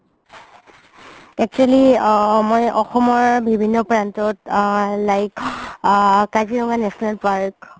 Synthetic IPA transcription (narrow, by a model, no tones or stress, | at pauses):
ɛk̚t͡ʃualimɔjʔɔxɔmɔɹbibʱinːɔpɹantɔtlajk | kaziɹɔŋanɛsɔnalpaɹk